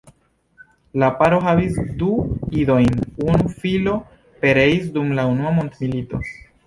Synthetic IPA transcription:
lapaɾo̞ɦavisduido̞jnunufilo̞ | pe̞ɾe̞isdumlaunuamo̞nt̪milito̞̰

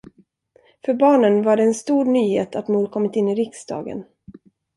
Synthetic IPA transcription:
fœɾbɑːɳənvaɖɛːnst̪uːɾnyːheːt̪ʰat̪muːɾkʰɔmːɪt̪ɪnːɪɾɪksd̪ɑ̰ːɡə̰n

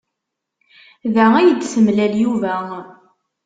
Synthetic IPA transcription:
ðææjəd̪səmlæljuvæ

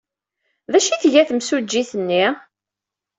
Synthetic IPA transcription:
ðæʃiθʝæθəmsud͡ʒːiθənːi

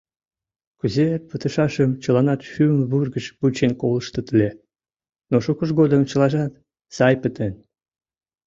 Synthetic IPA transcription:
kyzepət̪ə̆ʃɑʃəmt͡ɕəlɑnɑt̪ʃyəmβurɣəʃput͡ɕenkoləʃt̪ə̆t̪əlʲe | noʃukəʃɡod̪əmt͡ɕə̆lɑʒɑt̪ | sɑjpət̪en

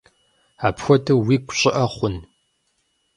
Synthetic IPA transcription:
aːpxʷɔtʰɨwiːkʷʼɕʼɪʔɐχʷʊn

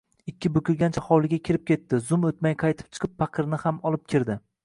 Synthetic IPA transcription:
ɪkʲːɪbʊkʲʰʊɾɡʲant͡ʃʰahɒwlˠɪɡʲakʲʰɪɾɪp̚kʲe̞t̪ːɪzʊmot̪̚majqʰɑjt̪ʰɪ̥p̚t͡ʃʰɨ̥qʰɨpfɑqʰɨɾnɪhamɒlˠɪp̚kʲʰɪɾd̪ɪ

